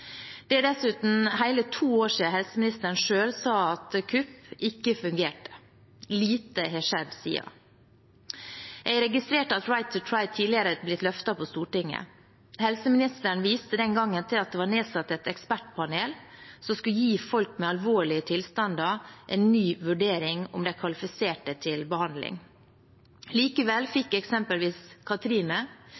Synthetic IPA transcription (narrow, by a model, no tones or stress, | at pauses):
d̪̥ɛɖɛsʉːt̪n̩hæɪlət̪ʰuːoːʂiːɑɦɛlsəmɪnɪst̪əɳʂøːlsɑːɑt̪kʰʉpɪkːəfʉŋɡeːʈə̥ | liːt̪əɦɛːʂɛd̪sḭːɑ̰ | ʔɛɡɾɛɡɪst̪ɾeːʈəɑt̪ɹaɪt̪ʰʊt̪ʰɹaɪd̪̚t̪ʰiːlɪəɾəblɪt̪lœft̪ɑpʰɔst̪uːʈɪŋːə̰ | hɛlsəmɪnɪst̪əɳ̩ʋiːst̪əd̪ɛnɡɑŋːənt̪ʰɪlɑt̪̚d̪ɛʋɑːɳeːsɑt̪ːɛt̪ɛkspæʈ̚pʰɑneːlsɔskʉjiːfɔlkmɛɑlʋoːɭɪət̪ʰɪlst̪ɑnd̪ɑʔɛːnːyːʋʉɖeːɾɪŋʊ̰md̪ɛkʰʋɑlɪfɪseːʈət̪ʰɪlbəhɑnd̪lɪ̰ŋ | liːkəʋɛlfɪkːɛksɛmpəlʋiːskʰɑt̪ɾiːnə